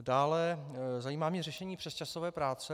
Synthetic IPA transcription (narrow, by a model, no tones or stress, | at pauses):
daːlɛzajiːmaːmɲɛrɛʃɛɲiːpr̥ɛst͡ʃasovɛːpɾaːt͡sɛ